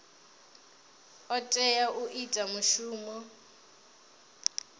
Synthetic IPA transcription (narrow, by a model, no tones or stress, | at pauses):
ɔtʼɛjaʔuʔitʼamuʃuːmɔ